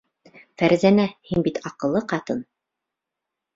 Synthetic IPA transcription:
fæɾzænæhinbit̪ʰɑqɤ̆lˠːɤqɑt̪ɤn

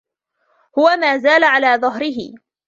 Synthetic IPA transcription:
hʊwamaːzaːlaʕalaːðˤɑɦɾɪɦɪ̰

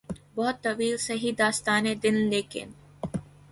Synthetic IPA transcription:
bɔːt̪ːɐʋiːlsɐɦid̪aːst̪aːneːd̪ɪnleːkḛn

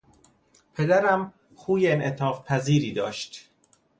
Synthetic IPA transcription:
pʰe̞d̪æɾæm | xuːjeenʔet̪ʰɒːfpʰæziːɾiːd̪ɒ̰ːʃt̪

